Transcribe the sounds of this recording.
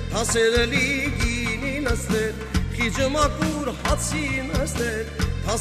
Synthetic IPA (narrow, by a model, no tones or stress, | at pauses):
h̪ʰɑsɛɾɛliɡininəsnɛɾ | χid͡ʒəmɑkuɾhɑt͡sʰinəsnɛɾt̪ʰɑ